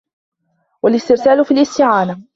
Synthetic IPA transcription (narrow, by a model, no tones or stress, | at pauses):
walʔɪst̪ɪɾsaːlʊfiːlʔɪst̪ɪʕaːna